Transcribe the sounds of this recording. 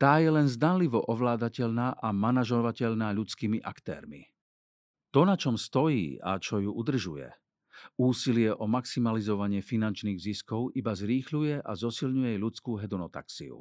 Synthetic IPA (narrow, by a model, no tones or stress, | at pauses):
t̪aːjɛlɛnzd̪anliʋɔʔɔʋlaːd̪acɛʎnaːʔamanaʒɔʋacɛʎnaːʎut͡skiːmiʔa̰kt̪ɛ̰ːɾmḭ | t̪ɔnat͡ʃɔmst̪ɔjḭːa̰t͡ʃɔjuʔud̪r̩ʒujɛ̰ | uːsilɪɛʔɔmaksimalizɔʋaɲɪɛfinant͡ʃniːɣziskɔʊʔibazɾiːxlujɛʔazɔsilɲujɛajʎut͡skuːɦɛd̪ɔnɔt̪a̰ksḭṵ